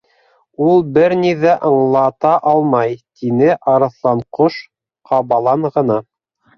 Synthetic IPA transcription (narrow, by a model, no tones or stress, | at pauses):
ulˠbɘɾniðæʔɤ̆ɴlˠɑt̪ɑʔɑlˠmɑjt̪inɘʔɑɾɤ̆θlˠɑɴqoʃ | qʰɑβɑlˠɑɴʁɤ̆nɑ